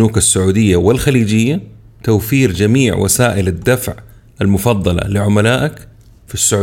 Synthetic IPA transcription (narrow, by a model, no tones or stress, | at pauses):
uːkasːʊʕuːd̪ɪjːawɪlxaliːd͡ʒɪjːa | t̪awfiːɾd͡ʒamiːʕwʔa̰saːʔɪlad̪ːafʕ | ʔalmʊfɑðˤːɑlɑ̰lɪʕʊmalaːʔak | fisːʊʕː